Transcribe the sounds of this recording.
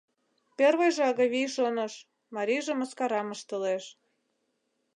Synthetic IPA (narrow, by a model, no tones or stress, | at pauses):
perβəjʒɑɣɤβijʃonə̆ʃ | mɑɾiʒĕməskɑɾɑməʃt̪əleʃ